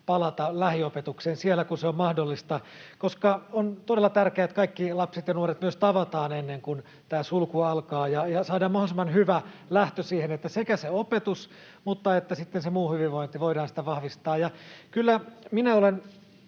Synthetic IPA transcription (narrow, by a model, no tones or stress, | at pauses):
pɑlɑt̪ɑlæhiopet̪ukseːnsielːˑækunseommɑhdolːist̪ɑkoskɑont̪odelːɑt̪ærkeæet̪kɑikːilɑpset̪jɑnuoret̪myøst̪ɑʋɑt̪ɑːnenːeŋkun | t̪æːsulkuɑlkɑːjɑjɑsɑːdɑːmɑhosmɑnhyʋælæht̪øsiːhenet̪ːæsekæseopet̪us | mut̪ːɑet̪ːæsit̪ːensemuːhyʋiʋʋoint̪iʋoidɑːnsi̥t̪æʋɑhʋist̪ɑːjjɑkylːæminæolen